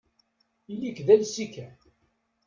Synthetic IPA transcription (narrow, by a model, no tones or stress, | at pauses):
ilikðælsikæ